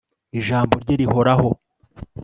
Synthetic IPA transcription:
iʒaːmbo̞ɾɟeɾiho̞ɾaho̞

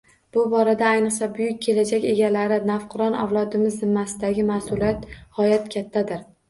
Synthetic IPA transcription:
b̥ʊbɒɾad̪aːjnɨqsabʊjʊk̚ʲʰːe̞lad͡ʒakʲe̞ɡʲalaɾɪnafqʰɨɾɒna̰wlˠɒd̪ɪmɪzːɪmːasɪd̪aɡʲɪmasʊlijat̪hɒjat̪kʲʰat̪ʰːad̪ɪɾ

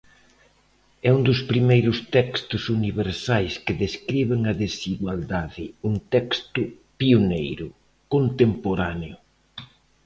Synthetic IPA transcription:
ɛund̪ʊspɾimejɾʊst̪ɛkst̪ʊsuniβeɾsajskɪðeskɾiβeŋɐðesiɣwald̪aðɪunt̪ɛkst̪ʊ | pionejɾʊ | kont̪empoɾaneʊ

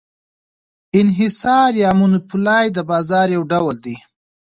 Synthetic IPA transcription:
ɪnɦɪsɑɾjɑmunupulɑjd̪əbɑzɑɾjawɖawald̪i

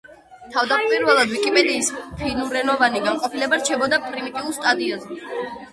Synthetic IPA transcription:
t̪ʰavd̪apʼwiɾvɛlˠad̪vikʼipʼɛd̪iːspʰinuɾɛnɔvaniɡaŋqʼɔpʰilɛbaɾt͡ʃʰɛbɔd̪apʼɾimit̪ʼiulˠst̪ʼad̪iazɛ

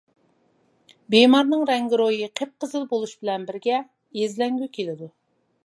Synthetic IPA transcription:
bemɑɾnɨŋɾɛŋɡʲiɾojiqʰep̚qʰəzɨlˠbolˠuʃbɪlɛnbɪɾɡʲɛ | jezlɛŋɡʲykʲʰelɪd̪u

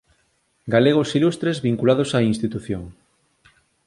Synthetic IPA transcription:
ɡaleɣ̞osilust̪ɾezβiŋkulað̞osainst̪it̪uθjoŋ

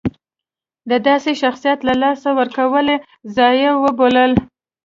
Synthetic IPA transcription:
d̪əd̪ɑseʃaxsijat̪lalɑsawəɾkawəle | zɑjəwəboləl

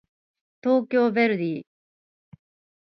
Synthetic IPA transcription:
t̪o̞ːkʲo̞ːbeɾɯ̟d̪iː

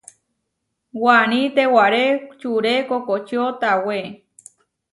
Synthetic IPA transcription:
wañĩt̪ewaɾet͡ʃuɾekokot͡ʃot̪awe

